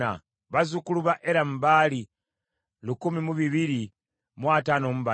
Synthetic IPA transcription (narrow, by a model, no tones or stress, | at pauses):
a̰ | βazukuluβaʔeɾam̩baːli | lukumimuβiβiɾi | mwatanomuβa